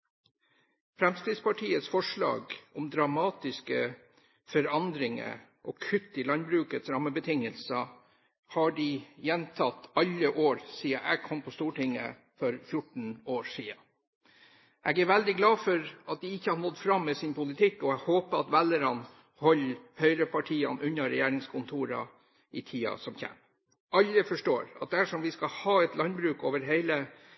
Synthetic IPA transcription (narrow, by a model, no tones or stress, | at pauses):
fɾɛmskɾɪd̪spɑʈʰiːət̪sfɔʂɭɑ̰ːɡɔmd̪ɾɑmɑːt̪ɪskə | fɔɾɑnd̪ɾɪŋə̰ʔɔkʰʉt̪ːɪlɑnbɾʉːkət̪sɾɑmːəbət̪ʰɪŋəlsə | hɑɖɪjɛnt̪ʰɑt̪ɑlːəʔoːɾsiːəʔɛ̰ɡkʰɔmpʰɔst̪uːʈɪŋːə̰ | fɔɾfjʊʈɳ̩oːɾʂiːə | ʔɛɡæɾʋɛld̪ɪɡlɑːfɔɾɑt̪̚d̪ɪɪçːəhɑɳɔd̪fɾɑmːɛːsɪnpʊlɪt̪ʰɪkːɔɛɡhoːpəɑt̪ʋɛlːəɾɑn | hɔlːhœʏɾəpʰɑʈʰiːɑ̰nʔʉnːɑɾɛjæːɾɪŋskʰʊnt̪ʰuːɾɑ̰ | ʔɪt̪ʰiːɑ̰sɔmçɛ̰ːm | ʔɑlːəfɔʂʈoːɾɑt̪̚d̪æʂɔmʋɪskɑhɑːɛt̪lɑnbɾʉːkoːʋəɾɦeɪlə